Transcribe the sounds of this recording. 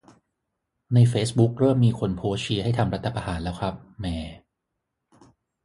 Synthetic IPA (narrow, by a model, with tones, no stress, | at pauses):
na˧jfeː˦˥sbu˦˥k̚ɾɤː˥˩mːiː˧kʰo˧npʰoː˦˥t͡ɕʰi˧˥ɦa˥˩jt̪ʰa˧mɾa˦˥t̪ʰːa˧pa˧haː˩˦nlɛː˦˥wkʰɾa˦˥p̚mɛː˨˩